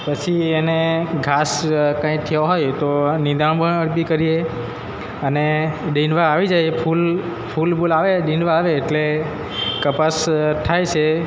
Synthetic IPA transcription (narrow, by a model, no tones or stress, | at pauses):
pət͡ʃʰieneɡʱaskãĩt̪ʰioɦojt̪onid̪ʱaɳ̃bəəɽpikəɾije | əneɗĩnʋaːʋid͡ʒajepʰul | pʰulbolaʋeɗĩnɖʋaːʋeːʈle | kəpasʈ̪ʰajt͡ʃʰe